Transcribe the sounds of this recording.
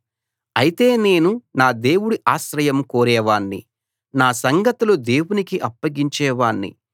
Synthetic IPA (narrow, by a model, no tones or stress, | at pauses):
ɐjit̪e̞ːne̞ːnunaːd̪e̞ːwuɽiʔaːʃɾɐjɐmkoːɾɛːʋaːnːḭ | naːsɐŋɡɐt̪ulud̪e̞ːwunikiʔɐpːɐɡiɲt͡ʃɛːʋaːnːḭ